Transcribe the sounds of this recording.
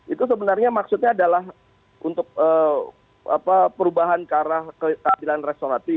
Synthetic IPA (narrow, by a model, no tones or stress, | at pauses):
it̪us̬əbənarɲamaksut̪̚ɲaːdalaɦ | unt̪ʊk̚əː | a̰papəɾubaɦankəaɾahkəkəabilanrest̪oɾat̪i